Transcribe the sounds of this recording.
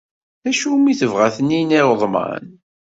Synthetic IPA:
æʃumːiθəvʁæθənːiniɾəðˤmə̰n

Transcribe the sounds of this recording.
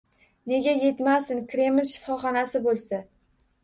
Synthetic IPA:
ne̞ɡʲaje̞t̪masɪnkɾe̞mɪlʲʃɪ̥fɒχɒnasɪbolˠsa

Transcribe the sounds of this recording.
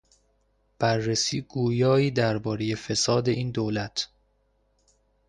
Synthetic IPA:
b̥ærːesiːɡuːjɒːiːd̪æɾbɒːɾe̞je̞fe̞sɒːd̪e̞ʔiːnd̪oːlæt̪ʰ

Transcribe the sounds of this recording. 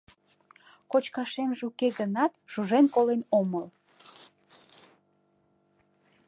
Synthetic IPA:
kot͡ɕkɑʃemʒukeɣənɑt̪ʒ̥uʒenkolenoməl

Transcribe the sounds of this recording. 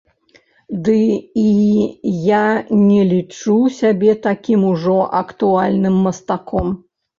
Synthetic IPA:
d̪ɨijanʲɛlʲit͡ʂusʲabʲɛt̪akʲimuʐɔʔɐkt̪ualʲnɨmːɐst̪akʰɔm

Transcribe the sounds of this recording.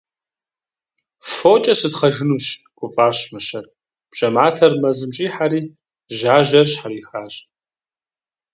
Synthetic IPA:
foːt͡ʃʼɐsɨtχɐʒɨnuːɕɡ̥ʷʼʊfʼaːɕmɨʃɐr | b̥ɕʼɐmaːtʰɐrmɐzɨmt͡ʃʼiːħaɾiː | ʒaːʒɐrɕħaɾiːxaːɕʼ

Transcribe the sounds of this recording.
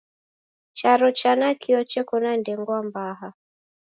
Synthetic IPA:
t͡ʃaɾɔt͡ʃanakʰiɔt͡ʃɛkɔnandɛŋɡwambaɦa

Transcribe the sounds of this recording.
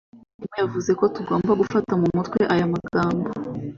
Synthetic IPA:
nimejavuze̞kotuɡo̞ːmbaɡufatamumutkwe̞ʔajamaɡaːmbo

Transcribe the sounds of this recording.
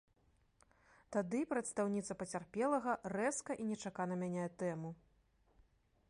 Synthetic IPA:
t̪ad̪ɨpɾɐt̪st̪awnʲit̪sɐpɐt͡sʲarpʲɛlˠɐɣɐrɛskɐʔinʲɛt͡ʂakanɐmʲanʲɛɛt̪ɛmu

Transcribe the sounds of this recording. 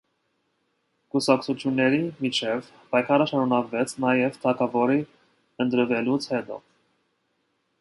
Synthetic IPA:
kusɑkt͡sʰut͡sʰjunːɛɾimit͡ʃʰɛv | pɑjkʰɑɾəʃɑɾunɑkvɛt͡sʰnɑjɛvt̪ʰɑkʰɑvɔɾi | ənt̪ɾəvɛlut͡sʰhɛt̪ɔ̰

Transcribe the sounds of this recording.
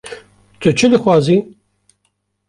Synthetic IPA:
t̪ʰɨt͡ʃʰɨd̪ɨxwɑːzi

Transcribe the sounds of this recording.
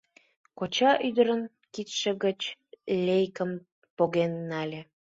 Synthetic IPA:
kot͡ɕɑʔyd̪əɾən | kit̪ʃĕɣət͡ɕlʲejkə̆m | poɣenːɑlʲe

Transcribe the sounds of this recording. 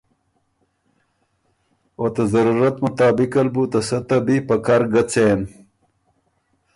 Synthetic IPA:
ot̪ɐzɐɾuːɾɐt̪mut̪aːbikɐlbut̪ɐsɐt̪ɐbipɐkaɾɡɐt͡sen

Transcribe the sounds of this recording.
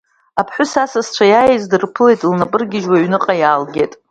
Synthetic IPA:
apʰħʷʊsasast͡ʃʷʰajajezdɨrpʰɨle̞jtʼlnapʼɨrɡʲɪʒwaɥnɨqʼajaːlɡʲetʼ

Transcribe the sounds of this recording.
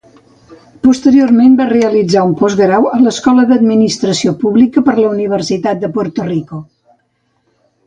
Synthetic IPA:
pust̪əɾioɾmembareəlid͡zaumpɔzɣɾawələskɔləðəd̪minist̪ɾəsiopuβlikəpəɾləuniβ̞əɾsit̪at̪̚d̪əpɔɾt̪uriku

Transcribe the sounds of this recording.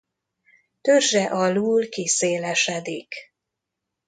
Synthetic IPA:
t̪ørʒɛʔɒluːlkiseːlɛʃɛd̪ik

